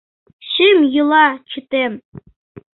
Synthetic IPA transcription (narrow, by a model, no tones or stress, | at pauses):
ɕɘmjɯlˠɑt͡ɕĭt̪em